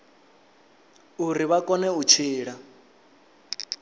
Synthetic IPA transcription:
uɾiβakʼɔnɛut͡ʃʰiːɺa

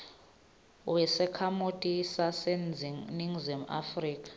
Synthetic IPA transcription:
wɛsɛkʰamotʼisasɛnd͡ziniŋzima̰friːkʼḁ

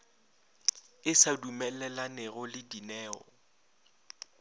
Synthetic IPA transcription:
ɪsadumɛlɛlanɛɣʊlɪdinɛːɔ̰

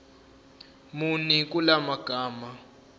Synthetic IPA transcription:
munikʼulamaɡ̥ʱaːma

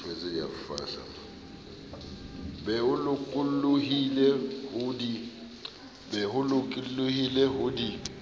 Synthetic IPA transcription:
fɛzɛja̰fa̰ːɬa̰ | bɛʊlʊkʼulluɦilɛhʊdi | bɛɦʊlʊkʼilluhilɛɦʊdi

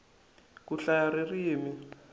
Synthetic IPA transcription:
kuɬaririːmi

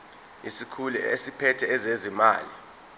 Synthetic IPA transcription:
isikʰulɛ̰ḛsipʰɛtʰɛːzezima̰ːli

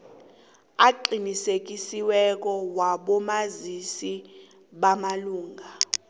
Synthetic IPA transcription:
aǃinisek̬ʼisiwɛk̬ʼɔwaɓɔmazisi | ɓamaluːŋɡʱa

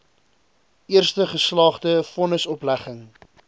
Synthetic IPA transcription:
ʔiərstəχəslɑːχdəfɔnəsɔplæχəŋ

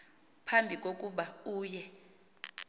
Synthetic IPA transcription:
pʰambʱikʼokʼuɓauːjɛ

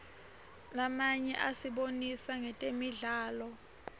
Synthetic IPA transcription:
lamaɲɛʔasiɓonisaŋɛtʼemiɮaːlɔ

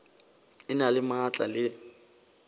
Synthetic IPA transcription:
ɪnalɪmat͡ɬʼa̰lɪ

